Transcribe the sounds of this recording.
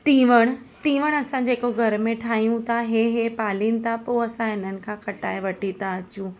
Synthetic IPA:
t̪ĩːʋəɽ̃ | t̪ĩːʋəɽ̃ɐsãd͡ʑeːkoɡʱɐɾmẽʈʰaːɦijũt̪ʰaɦeɦepaːlĩːnɪ̆t̪ʰapoɐsãɦɪn̤ənɪ̆kʰãːkɐʈaːeʋɐʈĩt̪aɐt͡ɕũː

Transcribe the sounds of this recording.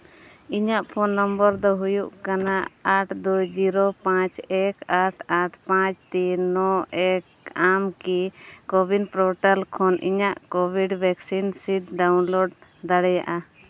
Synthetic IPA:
iɲaʔpʰɔnːɔmbəɾd̪ɔɦujuʔkanaaʈd̪ujd͡ʒiɾɔpãt͡ʃɛkaʈʰaʈʰpãt͡ʃt̪inɔɛk | amkikɔbʱinpɾɔʈalkʰɔnʔḭɲaʔkɔbʱiɖbʱɛksinsid̪̚ɖawnlɔɖd̪aɽɛja̰ʔa

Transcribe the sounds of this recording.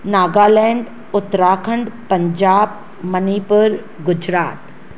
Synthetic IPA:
naːɡaːlɛẽːɳɖ | ʊt̪ːɾaːkʰə̃ɳɖpɐɲd͡ʒaːb̚ | məniːpəɾ | ɡʊd͡ʒɾaːt̪

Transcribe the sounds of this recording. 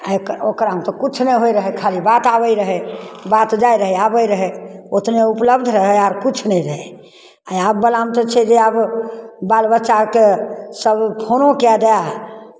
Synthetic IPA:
aokəɾokəɾaũt̪ɔkut͡ʃʰnɛɦojɾəɦɛkʰalibat̪abəjɾəɦɛbat̪d͡ʒajɾəɦɛabəjɾəɦɛot̪neupləbd̪ʱɾəɦɛaɾkut͡ʃʰnɛɾəɦɛ | aab̚ːəlamt̪ɔt͡ʃʰɛd͡ʒeabbalbətːʃakesəbpʰonõkjad͡ʒaja

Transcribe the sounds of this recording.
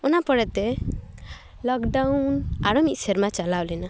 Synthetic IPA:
ɔnapɔɽɛt̪ɛ | lɔkɖawnaɽɔmit̪̚seɾmat͡ʃalalɛna

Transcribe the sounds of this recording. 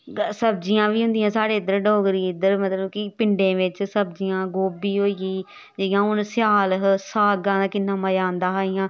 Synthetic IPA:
səb̚d͡ʒɪjãːʋiːɦʊ̃nd̪ɪjãːsaːɽeːɪd̪ːəɾɖoːɡɾiːɪd̪ːəɾmət̪ləbkipɪɳɖẽːʋɪt͡ʃsəb̚d͡ʒɪjãːɡoːbiːɦoːiɡiː | d͡ʒeɪjãːʊnsɪjaːlɦsaːɡãːd̪aːkɪnːãːmaːjãːnd̪ãːɦaːɪjãː

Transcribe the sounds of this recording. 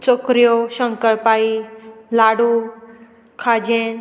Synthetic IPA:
t͡ʃokɾijoʃə̃ŋkəɭpaːilaːɽu | kʰad͡ʒẽ

